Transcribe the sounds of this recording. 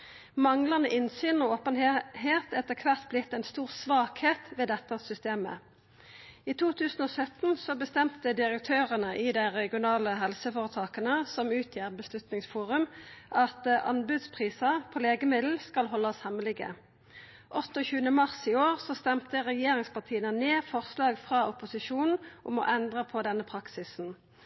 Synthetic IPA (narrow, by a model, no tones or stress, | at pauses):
mɑŋlɑnəʔɪnsyːnɔoːpənheːt̪ɛt̪ːəkʰʋæʁt̪blɪt̪ːɛɪnst̪uːʁsʋɑːkheːt̪ʋeːd̪ɛt̪ːɑsʏst̪eːmə̰ | iːt̪ʰuːt̪ʰʉːsn̩ɔːsœt̪n̩sɔbəst̪ɛmt̪əd̪ɪʁək̚t̪ʰøːʁənəʔɪd̪æɪʁɛɡɪʊnɑːləɦɛlsəfoːʁət̪ʰɑːkɑnəsɔmʉːt̪ʰjeːʁbəslʉt̪nɪŋsfuːʁʉmʔɑt̪ʔɑnbʉd̪spʰʁiːsɑpʰɔleːɡəmɪd̪l̩skɑlɦɔlːɑshɛməlɪɡə̰ | ʔɔt̪ːəɔçʉːənəmɑʁsiːoːʁsɔst̪ɛmt̪əʁɛjeːʁɪŋspɑʁt̪ʰiːənəneːfɔʁslɑːɡfʁɑɔpʊsɪʃuːnn̩ʔʊmɔ̰ʔɛnd̪ʁəpʰɔd̪ɛnːəpʰʁɑksɪsn̩